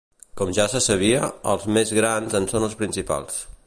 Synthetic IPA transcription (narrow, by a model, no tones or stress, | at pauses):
kɔmʒasəsəβ̞iəə̰lˠzmezɣɾanzənsonəlˠspɾinsipa̰lˠs